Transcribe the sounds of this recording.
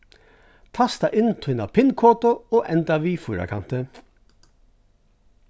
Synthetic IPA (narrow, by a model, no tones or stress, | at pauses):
t̪ʰɑst̪ɑʔɪnt̪ʰʉnɑpʰɪnkʰoːt̪ʊoːʔɛnt̪ɑʋiːfuːɾɑ̰kʰɑnt̪ə